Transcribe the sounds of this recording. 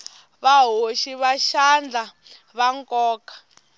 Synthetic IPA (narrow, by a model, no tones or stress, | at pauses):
βaɦoʃiβaʃand͡ɮa | βaŋkʼɔːkḁ